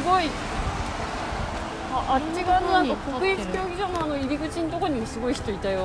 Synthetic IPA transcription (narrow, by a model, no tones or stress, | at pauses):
ɨɡo̞i | aʔat͡ɕːiɡaanonãŋkakokɯ̟it͡si̥kʲo̞ːɡʲiʑanoano̞iɾʲiɡɯ̟t͡ɕinit̪o̞ko̞ɲ̟imosɨɡo̞içi̥t̪o̞it̪ai